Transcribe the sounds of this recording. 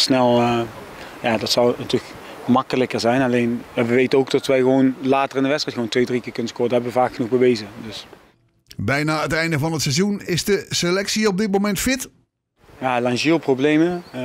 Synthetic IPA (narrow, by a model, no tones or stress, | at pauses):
snɛlˠ | jaːdɑtsɑwnətylək | mɑkələkəɹzɛjnɑlejnjaʋəʋejtənowktɑtʋɛjɣəʋonlaːtərɪndəʋɛtstrɛtxəʋoːwntʋejdrikɪːɹkɵnəskʊːɹdəɦɛbəʋəvaːkxənuɣbəʋejzədɵs | bɛjnaːətɛjndəvɑnətsɛzunɪzdəselɛksiɔb̚dɪt̚momɛntfɪt | jaːlɑŋʒiːlˠprowblejmə